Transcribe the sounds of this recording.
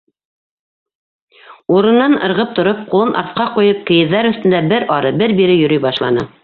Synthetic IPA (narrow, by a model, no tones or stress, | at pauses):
uɾɤ̆nːɑnɤ̰̆ɾʁɤp̚t̪ŏɾop̚qulˠɤnʔɑ̰ɾt̪qɑqujɤp̚kɘ̆jɘ̆ðːæɾɵ̆θt̪ɘ̆nd̪æbɘɾʔɑɾɤbɘɾbiɾɘjɵ̆ɾɵjbɑʃlˠɑ̰nɤ